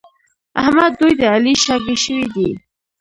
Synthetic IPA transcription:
ahmad̪ːujd̪əaliʃɑɡeʃəwid̪i

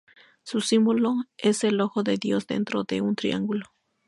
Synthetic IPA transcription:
susimboloe̞se̞loxoðe̞ðjo̞zd̪e̞̰nt̪ɾoðe̞̰unt̪ɾḭa̰ŋɡulo

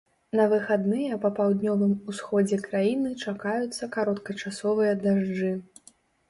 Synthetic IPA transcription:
nɐvɨxad̪nɨjɐpɐpawd̪nʲɔvɨmusxɔd͡zʲɛkɾajinɨt͡ʂakajut̪sːɐkaɾɔt̪kɐt͡ʂasɔvɨjɐd̪aʐd͡ʐɨ

